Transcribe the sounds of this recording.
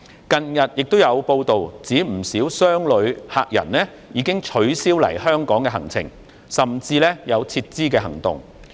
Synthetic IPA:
kɐ˧njɐ˨t̚jɪ˨k̚t̪o˥wjɐ˨˧wpo˧wt̪o˨wt͡siː˨˥m̩˨˩siː˨˥wsœː˥ŋlɵ˨˧ɥha̰ː˧k̚jɐ̰˨˩nlɛː˥ | jiː˨˧kɪ˥ŋt͡ʃʰɵ˨˥ɥsiː˥wlɐ̰˨˩jhœː˥ŋkɔː˨˥ŋkɛː˧ɦɐ˨˩ŋt͡sʰɪ̰˨˩ŋ | sɐ˨˩mt͡siː˧lɛː˥jɐ˨˧wt͡sʰiː˧t̚t͡siː˥kɛː˧ɦɐ˨˩ŋt̪ʊ̰˨˩ŋ

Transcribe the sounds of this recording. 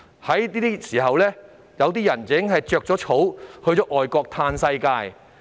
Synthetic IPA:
hɐ˨˥jt̪iː˥t̪i˥siː˨˩ɦɐ˨wlɛː˥ | jɐ˨˧wt̪iː˥jɐ˨˩nɪ˨˥ŋɦɐ˨jt͡ʃœː˨k̚t͡sɔː˨˥t͡ʃʰo˨˥whɵ˧ɥt͡sɔː˨˥ʔɔː˨jkɔː˧k̚t̪ʰaː˧nsɐ˧jkaː˧j

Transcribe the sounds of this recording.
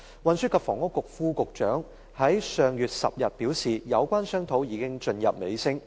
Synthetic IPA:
wɐ˨nsyː˥tkʰaː˧˩fɔː˨˩ŋʊ˥kːʊ˨k̚fuː˥kʊ˨k̚t͡ʃœ̰ː˨˥ŋ | hɐ˨˥jsœː˨ŋjyː˨t̚sɐ̰˨p̚jɐ˨t̚piː˨˥wsiː˨˩jɐ˨˧wkʷaː˥nsœː˥ŋt̪ʰo˨˥wjiː˨˧kɪ˥ŋt͡ʃɵ˧njɐ̰˨p̚me˨˧jsɪ˥ŋ

